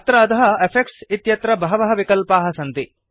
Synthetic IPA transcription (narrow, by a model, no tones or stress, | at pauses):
t̪ɾɐɐd̪ɐɦɐepʰek̚ʈsit̪jɐt̪ɾɐbɐɦɐʋɐɦɐʋikɐlpaːɦɐsɐnt̪i